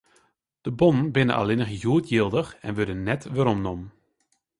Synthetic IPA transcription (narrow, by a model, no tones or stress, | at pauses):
d̥əbɔnənbɪnə̰ʔa̰lɪnəχjuətjilˠdəxɛ̰nʋødənːɛtʋəɾɔmnɔm